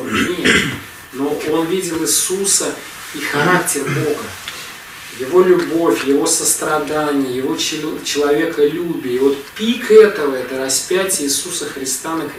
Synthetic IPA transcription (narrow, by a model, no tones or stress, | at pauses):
nʲet̪ | no̞o̞nvʲidʲɪlˠɪsusə | ixɐɾaktʲɪrbo̞ɡə | jɪvo̞lʲʊbo̞fʲjɪvo̞səst̪ɾɐd̪anʲɪjəjɪvo̞t͡ɕɪlˠɐvʲe̞kəlʲubʲiːvo̞t̪̚pʲikɛt̪əvəɛt̪əɾɐspʲætʲɪjəːsusəxɾʲɪst̪anək